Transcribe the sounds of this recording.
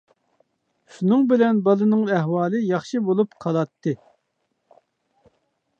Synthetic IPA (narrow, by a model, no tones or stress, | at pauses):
ʃunɨŋbɪlɛnbɑlˠɨnɨŋɛɦwɑːlˠɨjɑχʃɨbolˠupqʰɑlˠɑt̪ʰːɨ